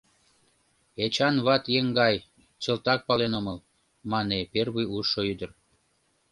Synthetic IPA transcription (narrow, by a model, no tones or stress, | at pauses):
et͡ɕɑnβɑt̪jeŋɡɑj | t͡ɕəlt̪ɑk̚pɑlenoməl | mɑneperβujuʃːoyd̪ər